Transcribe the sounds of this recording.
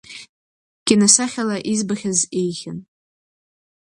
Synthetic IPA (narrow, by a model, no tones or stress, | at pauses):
ɡ̥ʲɪnasaχʲalaʔizbaχʲazejχʲan